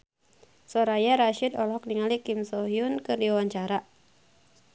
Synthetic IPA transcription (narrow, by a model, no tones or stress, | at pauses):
sɔɾajaɾaʃidɔlɔɦɔk̚niŋalikimsɔɦiunkɨrdiwaɲt͡ʃaɾa